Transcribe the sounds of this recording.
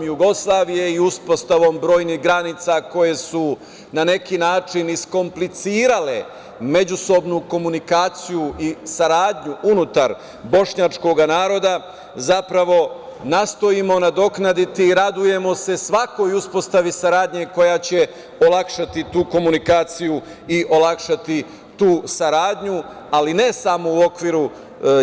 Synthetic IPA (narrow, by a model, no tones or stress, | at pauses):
mjuɡo̞slˠaːʋije̞iuspo̞st̪aʋo̞mbɾo̞ːjniɦɡɾanit̪sako̞je̞su | nane̞kinaːt͡ʃinisko̞mplit̪siːɾale̞ | me̞d͡ʑuso̞bnuko̞munikaːt̪sijuʔisaɾaːd̪ɲuʔunut̪aɾ | bo̞ʃɲat͡ʃko̞ɡanaːɾo̞d̪a | zapɾaʋo̞ | nast̪o̞imo̞nad̪o̞knad̪it̪iːɾad̪uje̞mo̞se̞sʋako̞juspo̞st̪aʋisaɾaːd̪ɲe̞ko̞jat͡ɕe̞ | o̞lakʃat̪it̪uːko̞munikaːt̪siju | iʔo̞lakʃat̪i | t̪uːsaɾaːd̪ɲu | aline̞samo̞uo̞kʋiːɾu